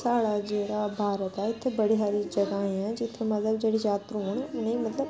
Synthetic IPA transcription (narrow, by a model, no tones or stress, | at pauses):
saːɽaːd͡ʒeːɽaːbʱaːɾət̪ɛːɪt̪ʰːeːbəɽiːɦaːɾiːd͡ʒəɡaːẽɛ̃ːd͡ʒɪt̪ʰːeːmət̪ləbd͡ʒeːɽiːjaːt̪ɾɦoːɳʊnẽimət̪ləb